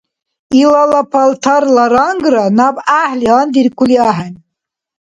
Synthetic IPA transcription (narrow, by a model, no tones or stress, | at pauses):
ilalapʰalt̪ʰaɾlaɾɑŋɡɾanabahliand̪iɾkʰʷuliaɦanʲ